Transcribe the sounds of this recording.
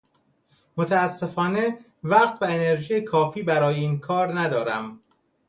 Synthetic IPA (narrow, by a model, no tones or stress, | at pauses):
mot̪ʰæːsːe̞fɒːne̞ | væɢt̪væene̞ɾʒiːjekʰɒːfiːbæɾɒːjeiːnkʰɒːɾnæd̪ɒːɾæm